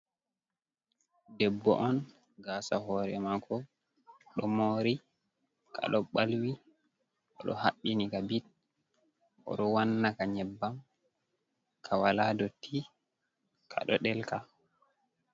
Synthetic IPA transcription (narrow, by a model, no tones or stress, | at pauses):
dɛbːɔ̰ʔɔn | ɡaːsahɔːɾɛmakʰɔ | ɗɔmoːɾi | kʰa̰ɗɔɓalwi | ʔɔɗɔ̰haɓːinikabit̚ | ʔɔ̰ɗɔwanːakaɲɛbːam | kʰawaladɔtʰi | kʰa̰ɗɔ̰ɗɛlka